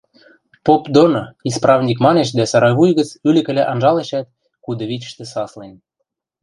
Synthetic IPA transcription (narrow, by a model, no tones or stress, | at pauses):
popd̪onoisprɑvnʲik̬mɑneʃd̪æsɑɾɑjβujɣə̆t͡sylɘ̆kɘ̆læʔɑnʒɑleʃæt̪̚ | kud̪ɤ̆βʲit͡ɕʲə̥̆ʃt̪ĕsɑslen